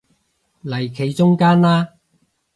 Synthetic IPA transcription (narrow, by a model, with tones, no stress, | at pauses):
lɐ˨˩jkʰe˨˧jt͡ʃʊ˥ŋkaː˥nlaː˥